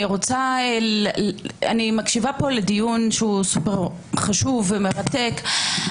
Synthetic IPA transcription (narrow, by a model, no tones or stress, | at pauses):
iʁot͡sae | a̰nimakʃivapo̞ledijunʃeusupeʁ | χaʃuvːemeʁate̞k